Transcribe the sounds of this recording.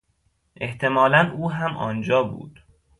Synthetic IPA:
ʔe̞̰ht̪ʰe̞mɒːlænuːɦæmʔɒːnd͡ʒɒːbṵːd̪̥

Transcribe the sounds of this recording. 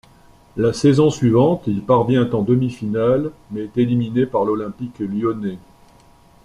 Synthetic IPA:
lasɛzɔ̃sɥivɑ̃t̪ilpaʁvjɛ̃t̪ɑ̃d̪əmifinalmɛːt̪eliminepaʁlɔlɛ̃pikljɔne

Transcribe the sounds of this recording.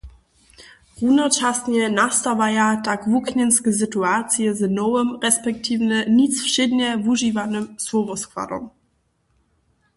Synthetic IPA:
ʁunɔt͡ʃasɲɛnastavajatakvuknɛnskəs̬ɪtuaːt͡sjəzənɔwəmʁɛspɛk̚tʰiːvnənit͡sfʃɪdnɛvuʒivanəmsɔvɔskva̰dɔ̰m

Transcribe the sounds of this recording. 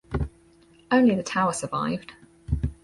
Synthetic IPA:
ə̃ʊ̃nliðətʰaʊəsəva̰ɪvd̥

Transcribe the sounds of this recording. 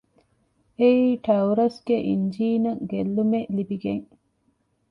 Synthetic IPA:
eiːʈɐwɾɐsɡeʔḭɲd͡ʒiːnɐɡelːumeʔlibiɡeŋ

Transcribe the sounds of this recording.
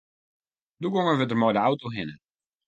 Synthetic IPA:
duɡoŋəʋədərmɔjdəawtoɦɪnə

